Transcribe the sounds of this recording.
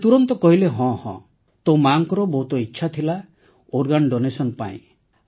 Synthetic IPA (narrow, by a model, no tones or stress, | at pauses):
t̪uɾɔnt̪ɔkɔɦileɦɔ̃hɔ̰̃ | t̪õwmaŋkɔɾɔbɔɦut̪ɔitːʃʰat̪ʰila | oɾɡanɖonesɔnpa̰ḭ̃